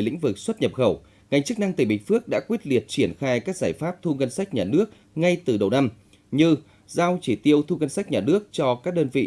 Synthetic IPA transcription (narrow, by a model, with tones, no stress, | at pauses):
jlḭ̈˧˥ŋ̟vɨ˨˩k̚swə˦˥t̚ɲə˨˩p̚xə˧˩w | ŋa˨˩jŋ̟t͡ɕɨ˦˥k̚na˧ŋt̪ï˧˨˩ɓï˨˩ŋ̟fɨ˦˥ək̚ɗa̰ː˧˥kwi˦˥ət̚li˨˩ət̚t͡ɕi˧˩ənxaː˧jkaː˦˥k̚zaː˧˩jfaː˦˥p̚t̪ʰu˧ŋə˧nsa˦˥jk̟̚ɲaː˨˩nɨ˦˥ək̚ | ŋa˧jt̪ɨ˨˩ɗə˨˩wna˧m | ɲɨ˧ | zaː˧wt͡ɕi˧˩t̪i˧əwt̪ʰu˧ŋə˧nsa˦˥jk̚ɲaː˨˩nɨ˦˥ək̚t͡ɕɔ˧kaː˦˥k̚ɗəː˧nvḭ˧˨